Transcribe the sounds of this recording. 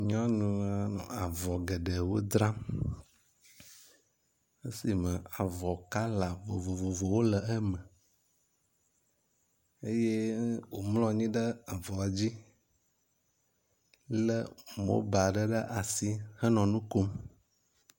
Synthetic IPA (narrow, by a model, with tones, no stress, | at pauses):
ɲɔ̃˦nũ˦a˦nɔ̰̃˨a˨vɔ˨ɡə˨ɖə˨wo˦d̪ɾa˦ | e˦si˨mə˨a˨vɔ˨ka˦la˨vo˨vo˨vo˨vo˨wo˦lə˨ə˦mə̃˨ | e˦je˦wo˨mlɔ̃˦ɲĩ˦ɖə˦a˨vɔ˨a˨d͡ʑi˦ | lə˦mo̰˦ba˨ɖə˦ɖə˦ʔa˨si˦hə˦nɔ̃˨nũ˦ko˦m